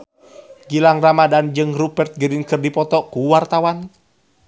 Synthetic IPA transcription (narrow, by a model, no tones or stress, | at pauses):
ɡilaŋramadand͡ʒɨŋrubɛrt̪̚ɡəɾinkərdipɔt̪ɔkuwart̪awan